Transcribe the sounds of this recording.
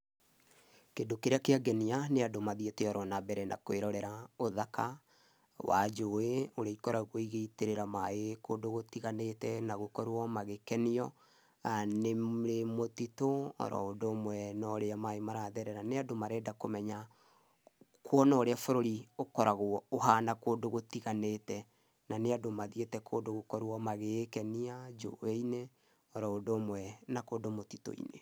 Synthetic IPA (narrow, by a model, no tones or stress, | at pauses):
kedokeɾeakeaɡɛnianeadomaðietɛɔɾɔnabɛɾɛnʔa̰koeɾɔɾɛɾaoðaka | wa̰d͡ʒoeoɾeaikɔɾaɣoiɣeiteɾeɾamaekoːdoɣotiɣanetɛnaɣokɔɾwɔmaɣekɛniɔ | aneɾemotitoɔ̰ɾɔ̰odoːmwɛnɔɾeamaemaɾaðɛɾɛɾaneadomaɾɛdakomɛɲa | kwɔnɔɾeafoɾoɾiokɔɾaɣooɦanakoːdoɣotiɣanetɛ | naneadomaðietɛkʰoːdoɣokɔɾwɔmaɣekɛniad͡ʒo̰eine | ɔɾɔodoːmwɛnakodomoti̥to̰ḭnḛ